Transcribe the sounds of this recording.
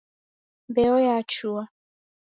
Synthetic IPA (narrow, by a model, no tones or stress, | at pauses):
bɛɔjat͡ʃua